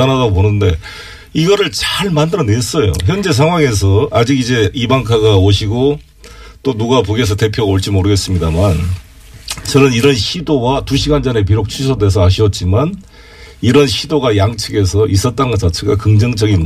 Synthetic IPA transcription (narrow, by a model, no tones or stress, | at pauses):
anadaɡoponɯnde̞ | iɡʌɾɯɭt͡ɕaɭmandɯɾʌnes͈ʌjo̰çjʌnd͡ʑe̞s̬ʰaŋɦwaŋe̞s̬ʰʌad͡ʑiɡid͡ʑe̞ibaŋkʰaɡaoɕʰiɡo | t͈onuɡapoɡes̬ʰʌte̞pʰjoɣaoɭt͡ɕ͈imoɾɯɡe̞s͈ɯmɲidaman | t͡ɕʌnɯniɾʌnɕʰidowatuɕʰiɡand͡ʑʌne̞p̬iɾok̚t͡ɕʰusʰʌdwe̞s̬ʰʌaɕ̬ʰiʌt̚t͡ɕ͈iman | iɾʌnɕʰidoɡajaŋt͡ɕʰɯɡe̞s̬ʰʌʔis͈ʌt̚t͈anɡʌt͡ɕat͡ɕʰeɡakɯŋd͡ʑʌŋd͡ʑʌɡin